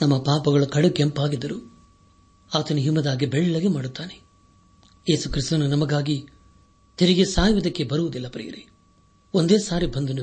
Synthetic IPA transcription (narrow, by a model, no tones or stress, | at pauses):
nɐmːɐpaːpɐɡɐɭɐkɐɽukempaːɡid̪ːɐɾu | aːt̪ɐnuɦimːɐd̪aːɡibɛɭːɐɡemaːɽut̪ːaːne | je̞ːsukɾist̪ununɐmɐɡaːɡi | t̪eɾiɡesaːjʋɐd̪ɐkːe̞bɐɾuʋud̪ilːɐpɾḭjɐ̰ɾi | ond̪e̞ːsaːɾibʱɐnd̪unu